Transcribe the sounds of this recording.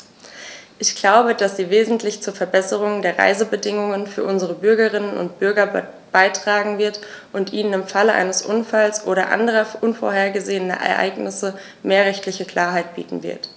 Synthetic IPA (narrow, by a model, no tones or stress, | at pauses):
ʔɪçɡ̥laʊbəd̥asz̥iːveːzn̩tʰlɪçt͡suːɐfɛɐbɛsəʁ̞ʊŋdeːɐʁa̰ɪzəbədɪŋʊŋənfyːɐʔʊnzəʁəbʏɐɡəʁɪnənʊ̰ntb̥ʏɐɡɐ | b̥aɪtʁ̥aːɡŋ̩vɪɐtʔʊntʔiːnənɪmfaləʔa̰ɪnəsʔʊnfalsʔoːɾɐʔa̰ndəʁ̞ɐʔʊnfo̰ɐeːɐɡəzeːənɐ̰ʔɛ̰ɐʔa̰ɪɡnɪsə | meːɐʁɛçtlɪçəkl̥aːɐɦaɪt̚b̥ḭːtn̩vɪ̰ɐt